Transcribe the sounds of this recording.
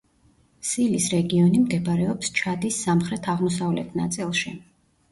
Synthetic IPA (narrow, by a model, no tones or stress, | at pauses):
silisɾɛɡiɔnimd̪ɛbaɾɛɔpst͡ʃʰad̪isːamχɾɛt̪ʰaʁmɔsavlɛt̪ʰna̰t̪sʼilˠʃi